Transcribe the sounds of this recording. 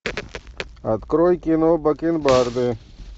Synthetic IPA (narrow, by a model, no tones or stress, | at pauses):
ɐt̪kɾoːjkinoːbɐkinbaːɾd̪e